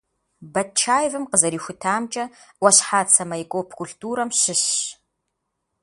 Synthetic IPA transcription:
bɐtt͡ʃʰaːjvɨmqəzɐɾiːxʷʊtʰaːmt͡ʃʼɐwʷɐɕħaːt͡sʰɐmɐɪkʷʼoːpʰkʷʰuɬtʼuːɾɐmɕɪɕ

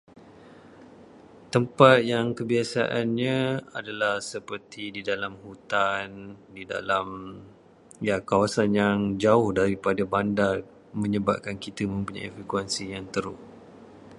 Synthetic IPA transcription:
t̪əmpat̪̚jaŋkəbiasa̰ʔanɲãadalahsəpərt̪ididalamhut̪andida̰lam | jakawasanjaŋd͡ʒaʊhdaɾipadabandar | mə̃ɲəba̰ʔ̚kankit̪əmə̃mpuɲa̰jḭfikuɛnsijaŋt̪əɾʊ

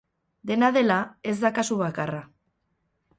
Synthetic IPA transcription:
d̪e̞naðe̞lae̞zd̪akasuβakara

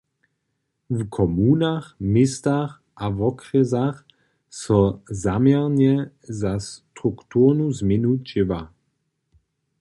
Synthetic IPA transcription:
vkʰɔmuːnaxmɪst̪ax | ʔavɔkʁɛzax | sɔzamjɛʁɲɛ | zast̪ʁukt̪uːʁnuzmɪnut͡ʃɪva

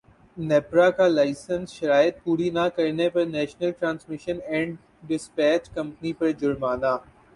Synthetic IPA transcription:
nɛːpɾakalaːɪsənsʃɐɾaːjət̪̚puːɾinakɐɾnepɐɾnɛːʃnəlʈɾãːnsmɪʃənɛ̃ːɳɖ | ɖɪspɛːt͡ʃkɐ̃mpnipɐɾd͡ʒʊɾmaːnaː

